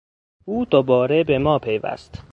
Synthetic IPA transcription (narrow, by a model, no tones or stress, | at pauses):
uːd̪̥obɒːɾebemɒːpʰe̞jvæ̰st̪